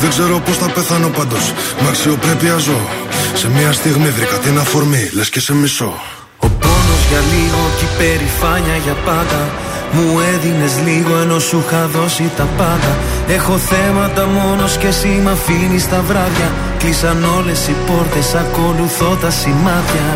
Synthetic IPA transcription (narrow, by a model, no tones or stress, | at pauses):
ðeɡze̞ɾo̞po̞stɐpeθɐno̞pɐnd̪o̞smɐksio̞pɾe̞piɐzo̞se̞miɐst̪iɣmiðɾikɐt̪inɐfo̞ɾmile̞scese̞miso̞̰ | o̞po̞no̞zʝɐliɣo̞cipe̞ɾifɐɲɐʝɐpɐnd̪ɐ | mue̞ðine̞zliɣo̞e̞no̞suxɐðo̞sit̪ɐpɐnd̪ɐ | e̞xo̞θe̞mɐt̪ɐmo̞no̞sce̞simɐfinist̪ɐvɾɐvʝɐ | klisɐno̞le̞sipo̞ɾt̪e̞sɐko̞luθo̞t̪ɐsimɐt̪çɐ